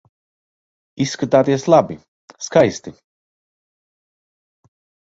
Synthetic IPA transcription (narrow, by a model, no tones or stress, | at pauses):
isːkat̪aːt̪iɛslˠabi | skajst̪i